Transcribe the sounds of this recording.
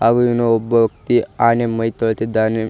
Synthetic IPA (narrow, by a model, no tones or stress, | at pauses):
haːɡuiʋnɐɔbːɐʋɐkt̪iaːnemɐjt̪oɭt̪id̪ːaːne